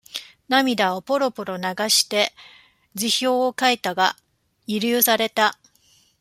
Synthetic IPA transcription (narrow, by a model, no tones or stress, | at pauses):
namʲid̪aopo̞ɾo̞po̞ɾo̞naɡaɕi̥t̪e̞ | d͡ʑiço̞ːokait̪aɡa | iɾʲɨːsaɾe̞t̪a